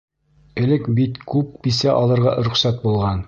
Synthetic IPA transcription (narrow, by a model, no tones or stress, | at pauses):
ɘ̆lɘkbit̪kʉp̚bisæʔɒlˠɤ̆ɾʁɑ̰ɾɵ̆χsæt̪̚bulˠʁɑn